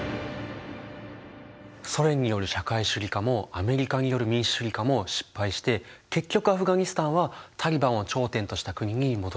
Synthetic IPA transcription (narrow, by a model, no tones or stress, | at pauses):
so̞ɾẽ̞ɲ̟ːijo̞ɾɯ̟ɕakaiɕɨɾʲikamo̞ame̞ɾʲikaɲ̟ijo̞ɾɯ̟mʲĩɰ̃ɕi̥ɕɨɾʲikamo̞ɕi̥pːaiɕi̥t̪e̞ | ke̞kʲːo̞kɯ̟aɸɯ̟ɡaɲ̟isɨ̥t̪ãɰ̃βat̪ʰaɾʲibãɰ̃o̞t͡ɕo̞ːt̪ẽ̞nt̪o̞ɕi̥t̪akɯ̟ɲ̟iɲ̟imo̞d̪o